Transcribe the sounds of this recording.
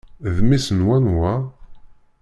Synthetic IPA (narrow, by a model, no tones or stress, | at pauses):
ðmisənwænwa